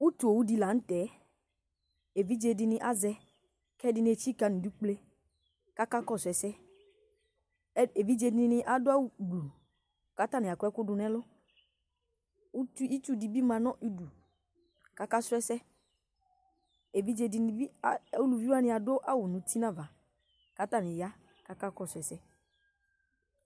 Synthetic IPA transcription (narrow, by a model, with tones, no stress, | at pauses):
u˦tu˨o˨wu˦di˧la˨n̩˦tɛ˨˦ | e˨vi˦d͡ʒe˧dɪ˧nɪ̃˧ʔa˦zɛ˧ | kɛ˦dɪ˧n˦e˧t͡ʃi˦ka˧nĩ˨du˦k͡ple˦ | ka˦ka˦kɔ˦˨sɛ˨sɛ˦ | e˨vi˦d͡ʒe˧dɪ˧nɪ˦nɪ̃˧ʔa˦dʊ˦a˦wu˨ɡ͡bu˨ | ka˨˦ta˦nɪ̃˨a˨kʷɛ˦kʊ˦dʊ˧nɛ̃˦lʊ˦ | u˦tu˦i˦tu˦di˨bi˦mã˧nɔ̃˦ʔi˦du˨ | ka˨ka˦sʊ˦ɛ˦sɛ˦ | e˨vi˦d͡ʒe˨di˧n˨i˦˨u˦lu˨vi˦a˦nɪ̃˦a˨dʊ˦ʔa˦wʊ˨nũ˨ti˦nã˦va˨ | ka˦ta˦˨nɪ̃˨ja˦ | ka˦ka˦kɔ˦˨sʊ˨ɛ˨sɛ˦